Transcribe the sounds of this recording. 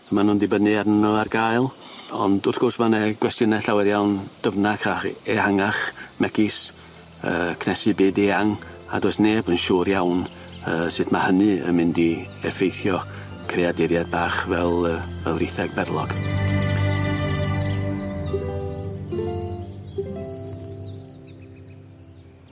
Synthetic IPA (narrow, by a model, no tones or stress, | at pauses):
manʊndibənɨarnnəarɡaːɨlˠ | ɔ̰ndʊrθɡ̥ʊrsmanɛɡ̥wɛstjənɛɬawɛɾjawnd̥əvnakʰraχɛhaŋaχmɛɡɪs | ə̰ːkʰnɛsɨbɨːdeaŋ | a̰dosneːbənʃuːɾjawn | əːsɨdmahənɨə̰mɪndi | ɛfejθjɔ | kʰreadɪɾjad̚baːχvɛlˠəːəwrɪθɛɡ̥̚bɛrlˠɔɡ̥